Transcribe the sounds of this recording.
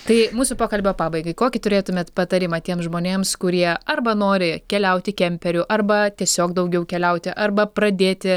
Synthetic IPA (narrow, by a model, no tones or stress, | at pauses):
t̪ɐɪmuːsʊpoːkɐlʲbʲoːpɑːbɐɪɡɐɪkoːkʲɪt̪ʊɾʲeːt̪ʊmʲeːt̪pɐt̪ɐɾʲɪmɐt̪ʲiɛmsʒmoːnʲeːmskʊɾʲiɛɐrbɐnoːɾʲɪkʲɛlʲɛʊt̪ʲɪkʲɛmʲpʲɛɾʲʊʔɐrbɐt̪ʲiɛsʲoːkd̪ɐʊɡʲɛʊkʲɛlʲɛʊt̪ʲɪʔɐrbɐpɾɐd̪ʲeːt̪ʲɪ